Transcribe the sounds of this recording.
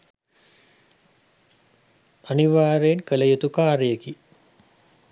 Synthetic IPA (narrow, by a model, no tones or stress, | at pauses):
aniʋaːɾeːnkələjut̪ukaːɾəjeki